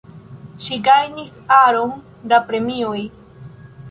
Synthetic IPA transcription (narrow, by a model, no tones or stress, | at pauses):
ʃiɡajnisaɾoŋ | d̪apɾemioj